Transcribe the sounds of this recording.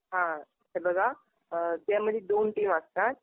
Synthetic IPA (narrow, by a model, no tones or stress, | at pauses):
ɦã | ɛbəɡa | t̪jãməd̪ʱjed̪onʈimaskat̪̚